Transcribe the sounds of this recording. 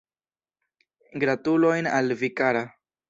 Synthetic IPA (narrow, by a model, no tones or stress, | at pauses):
ɡɾatulo̞jnalvikaɾa